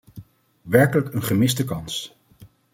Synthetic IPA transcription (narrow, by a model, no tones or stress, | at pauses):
ʋɛɹkələkənχəmɪsdəkɑns